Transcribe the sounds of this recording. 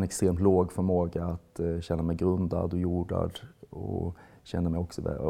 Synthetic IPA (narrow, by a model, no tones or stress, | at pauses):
nɛkst̪ɾeːmt̪loːɡfœɾmoːɡaːt̪ɕɛnːamɛjɡɾɵnd̪a̰d̪ɔjuːɖa̰d̪ɔ̰ɕɛnːamɛjɔksɔvɛ̰